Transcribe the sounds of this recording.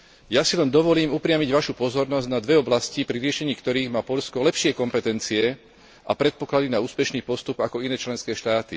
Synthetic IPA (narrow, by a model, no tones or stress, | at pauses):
jasilɛnd̪ɔʋɔliːmupɾɪamiɟʋaʃupɔzɔɾnɔzɟnad̪ʋɛɔblascipɾiɾɪɛʃɛɲiːkt̪ɔɾiːɣmaːpɔʎskɔlɛpʃɪɛkɔmpɛt̪ɛnt͡siɛ | ʔapɾɛt̪̚pɔklad̪inauːspɛʃniːpɔst̪upakɔinɛːt͡ʃlɛnskɛːʃt̪aːt̪i